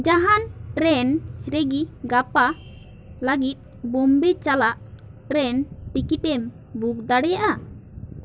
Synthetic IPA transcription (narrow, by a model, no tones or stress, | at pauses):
d͡ʒaɦanpɾɛnɾeɡiɡapa | ləɡit̪̚ˀ | bɔmbɛt͡ʃalaʔpɾɛnʈikit̪̚ɛm | buk̚d̪aɽɛjaʔa